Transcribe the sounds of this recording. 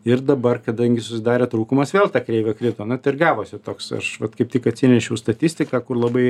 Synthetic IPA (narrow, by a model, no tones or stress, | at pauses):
ɪrd̪ɐbɐrkɐd̪ɐŋʲɡʲɪsʊsʲɪd̪ɑːɾʲeːt̪ɾuːkʊmɐsʋʲeːlˠt̪ɑːkɾʲɛɪʋʲɛkɾʲɪt̪oːnʊt̪ɪɪɾɡɑːʋoːsʲɪt̪oːksɐ̰ʃʋɐt̪kɐɪp̚tʲɪkɐt̪ʲsʲɪnʲɛʃʲɛʊst̪ɐt̪ʲɪsʲt̪ʲɪkɑːkʊrlˠɐbɐɪ